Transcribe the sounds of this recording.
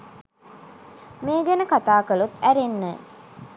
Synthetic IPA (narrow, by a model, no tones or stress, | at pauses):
meːɡænəkat̪aːkəlut̪æɾenːə̰